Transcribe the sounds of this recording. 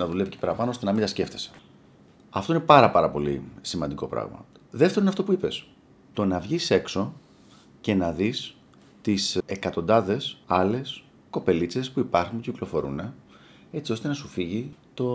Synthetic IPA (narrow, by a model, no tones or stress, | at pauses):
nɐðule̞vicepeɾɐpɐnoo̞st̪e̞nɐmind̪ɐsce̞ft̪e̞̥se̥ | ɐ̰ft̪oine̞pɐɾɐpɐɾɐpo̞lḭsimɐnd̪iko̞̰pɾɐ̰ɣmɐ̰ðeft̪eɾinɐft̪o̞puipe̞s | t̪o̞nɐvʝise̞kso̞ | ce̞nɐðis | t̪isekɐt̪o̞nd̪ɐðe̞sɐle̞s | ko̞pe̞lit͡se̞spuipɐɾxunciklo̞fo̞ɾṵne̞ | e̞t͡sio̞st̪e̞nɐsufiʝit̪o̞